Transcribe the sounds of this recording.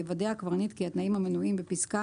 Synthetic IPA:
evad̪ejakvaʁnit̪kiat̪naimamenuimbepiska

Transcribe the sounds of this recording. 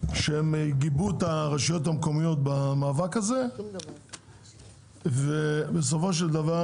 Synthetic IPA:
ʃeemɡibut̪aʁeʃijo̞t̪amko̞mijo̞t̪̚bamaːvakaze̞ | vebes̬o̞fo̞ʃ̬eld̪ava

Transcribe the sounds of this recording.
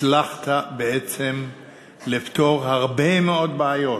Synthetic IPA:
laχt̪abeet͡se̞m | lift̪o̞ʁhaʁbemeo̞d̚beajo̞

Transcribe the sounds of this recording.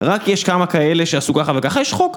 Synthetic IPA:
ʁakjeʃkamakaeleʃeasukaχavekaχajiʃχok

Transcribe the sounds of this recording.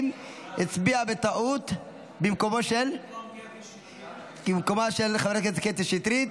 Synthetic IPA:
m | it͡sbiabet̪aʔut̪ | bemkomoʃel | imkomaʃelχaveɾaket̪ket̪iʃit̪ɾit̪

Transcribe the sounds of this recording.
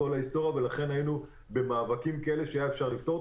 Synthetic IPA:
olaist̪o̞ʁjave̞laχe̞nhajinu | be̞maːvakimkaele̞ʃeajaefʃaʁlift̪o̞

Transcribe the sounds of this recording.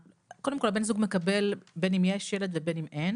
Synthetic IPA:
kodemkolbe̞nzuɡmekabe̞lbe̞nimjeʃjeled̪vebe̞nimʔen

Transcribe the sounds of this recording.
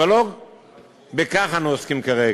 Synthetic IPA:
alo | bekaχanoskimkaʁe

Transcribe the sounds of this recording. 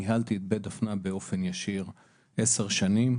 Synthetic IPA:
iɦalt̪iet̪̚bedafnabeo̞fe̞njaʃiʁ | ʔeseʁʃanim

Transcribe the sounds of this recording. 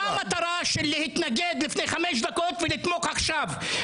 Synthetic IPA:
amat̪aɾaʃelːehit̪naɡed̪lifnejχameʃ̬d̪akot̪velit̪mo̞kaχʃav

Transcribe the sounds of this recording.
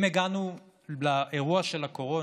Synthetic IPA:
meɡanu | laʔeʁuaʃe̞lako̞ʁo̞

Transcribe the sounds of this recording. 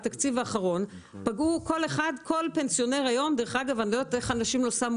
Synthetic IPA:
t̪akt͡sivaːχaʁo̞npaɡukʰo̞le̞χad̪kʰo̞lpe̞nsijo̞neʁajo̞md̪eʁeχaɡavanloot̪e̞χanaʃimlosam

